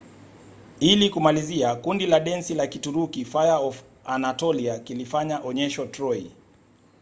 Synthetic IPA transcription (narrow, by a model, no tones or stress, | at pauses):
ilikumaliziakundilaɗɛnsilakituɾukifajaɔf | anatɔliakilifaɲaʔɔɲɛʃɔtɾɔj